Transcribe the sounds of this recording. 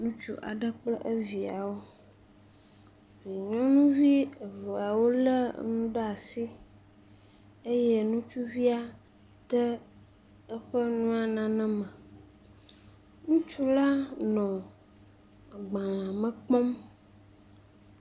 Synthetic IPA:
nũ˦t͡ʃṵ˦ʔa̰˨ɖə˦k͡plə˦ʔə˦vi˨a˨wo˦ | vi˨ɲɔ̃˦nũ˦vi˦ə˨və˨a˨wo˦lə˦nũ˦ɖə˦a˨si˦ | e˦jɛ˦nũ˦t͡ʃu˦vi˦a˦ | t̪ə˦ | ə˦ɸə˦nũ˦a˨nã˨nɛ̃˦mə̃˨ | nũ˦t͡ʃu˦la˦nɔ̃˨ | ɡ͡bã˨a˨mə̃˨k͡pɔ̃˦m

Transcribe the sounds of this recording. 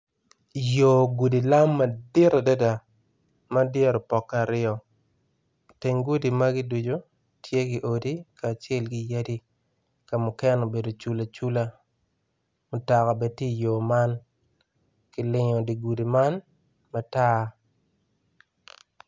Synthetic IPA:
jo˨ɡu˨di˨la˦mːa˨dɪ˦ɾa˨dɛ˦da˨ | ma˦djɛ˦ɾɔ˨pɔ˨kːa˨ɾɪɔ˨ | te˨ŋɡu˦di˨ma˦ɡɪ˦du˨d͡ʒo˨ | tje˦kɪ˨ʔo˨di˦kaː˨t͡ʃɛ˦lɡɪ˨ja˦di˦ | ka˨mʊ˨kɛ˦nɔ˨be˨do˨t͡ʃu˦la˨t͡ʃu˦la˦ | mʊ˨ta˨ka˨bɛ˦tje˦˨jo˨ma˦n | kɪ˨lɪ˨˦ɲɔ˨di˨ɡu˨di˨ma˦n | ma˦taː˦

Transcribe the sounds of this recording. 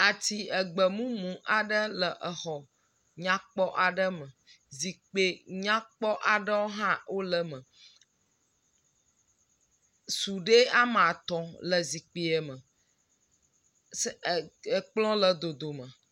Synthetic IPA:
a˨t̪i˨ə˨ɡ͡bə˨mũ˦mũ˨ʔa˨ɖə˦lə˨ʔə˨xɔ˨ | ɲã˦k͡pɔ˦ʔa˨ɖə˦mə̃˨ | zi˨k͡pe˨ɲã˦k͡pɔ˦ʔa˨ɖə˦wo˦ɦã˦wʔo˦lə˦mə̃˨ | su˨ɖe˦a˦m˨a˨t̪ɔ̃˨lə˨zi˨k͡pe˨ɛ˨mə̃˨ | sə˨k͡plɔ̃˦lə˨d̪o˨d̪o˨mə̃˨

